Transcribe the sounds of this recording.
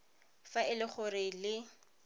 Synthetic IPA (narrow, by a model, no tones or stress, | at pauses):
faɪlɪχʊrɪlɪ